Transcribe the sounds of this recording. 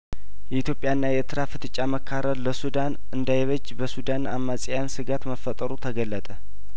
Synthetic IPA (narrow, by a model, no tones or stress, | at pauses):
jɛit̪jo̞pʼjaɨnːajɛt̪ʰɨɾafɨt̪ʰɨt͡ʃʼːaməkʰːaɾəɾləsud̪an | ɨnd̪ajeβəd͡ʒːbəsud̪anamːasʼejansɨɡat̪məfːət̪ʼəɾut̪ʰəɡəlːət̪ʼə